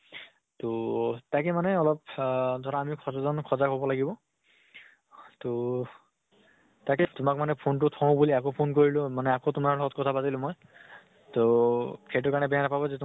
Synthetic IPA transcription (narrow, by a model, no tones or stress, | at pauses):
totakɛmanɛɔlɔp̚dʱɔɹaːmikʰɔzazɔnkʰɔzakɔbɔlaɡibɔ | to | takɛtʊmak̚manɛpʰont̬ʊtʰɔ̃buliakopʰonkoɹilʊ̃manɛakotʊmaɹlɔɔt̚kɔtʰabatilʊ̃mɔj | tokʰejtʊkaɹnɛbɛjanapabɔzɛt